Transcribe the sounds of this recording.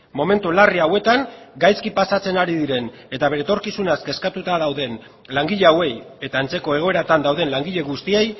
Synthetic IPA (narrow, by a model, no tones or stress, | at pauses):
mo̞me̞nt̪ulariawe̞t̪aŋɡajskipasat͡se̞naɾiðiɾe̞n | e̞t̪aβe̞ɾet̪o̞ɾkisunaske̞skat̪ut̪að̞awðe̞n | laŋɡiʎeawe̞j | e̞t̪aent͡se̞ko̞e̞ɣ̞o̞e̞ɾat̪and̪awðe̞nlaŋɡiʎe̞ɣust̪ie̞j